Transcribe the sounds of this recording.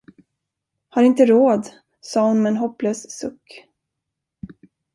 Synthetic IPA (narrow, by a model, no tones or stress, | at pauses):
haɾɪnt̪əɾoːd̪ | sɑːhʊnmɛːnɦɔpːløːssɵkː